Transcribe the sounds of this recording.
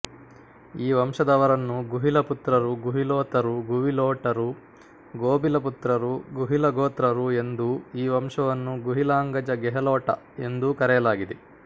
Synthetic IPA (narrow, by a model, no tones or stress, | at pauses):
iːʋɐmʂɐd̪ɐʋɐɾɐnːuɡuɦilɐput̪ɾɐɾuɡuɦiloːt̪ɐɾuɡuʋiloːʈɐɾu | ɡoːbilɐput̪ɾɐɾuɡuɦilɐɡoːt̪ɾɐɾue̞nd̪uiːʋɐmʂɐʋɐnːuɡuɦilaːŋɡɐd͡ʒɐɡɛɦɐlɔːʈɐ̰ | e̞nd̪ukɐɾɛjɐlaːɡid̪e